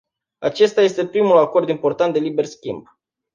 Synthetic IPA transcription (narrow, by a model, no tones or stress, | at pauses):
at͡ʃe̞st̪aje̞st̪e̞pɾimulako̞rd̪impo̞rt̪ant̪̚d̪e̞libe̞rskʲimb̚